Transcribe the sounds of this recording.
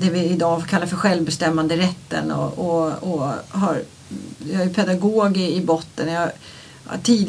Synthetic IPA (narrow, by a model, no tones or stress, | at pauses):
d̪ɛvɪɪd̪ɑːfɔkʰalːaɾfœɾɧɛlvbɛst̪ɛmːand̪əɾɛt̪ːə̰nɔ̰ɔɔɦaɾ | jɑæjpʰɛd̪aɡoːɡɪɪbɔt̪ːənjɑ | hʈʰiːd̪